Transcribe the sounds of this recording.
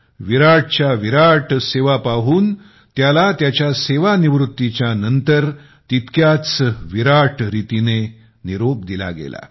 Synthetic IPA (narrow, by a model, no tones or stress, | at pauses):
ʋiɾaʈt͡ɕjaʋiɾaʈseʋapaɦuːn | t̪jalat̪jat͡ɕjaseʋaniʋɾut̪ːit͡ɕjanənt̪əɾ | t̪it̪kjat͡sʋiɾaʈɾit̪ine | niɾop̚d̪ila̰ɡḛla̰